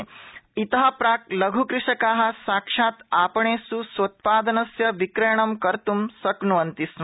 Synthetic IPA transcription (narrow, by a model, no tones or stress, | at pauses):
it̪ɐɦɐpɾaːklɐɡʱukɾɪʂɐkaːɦɐ̆saːkʂaːt̪aːpɐɳ̃eːsusʋɐt̪̚paːd̪ɐnɐsjɐʋikɾejɳɐmkɐɾt̪umsɐknuʋɐnt̪is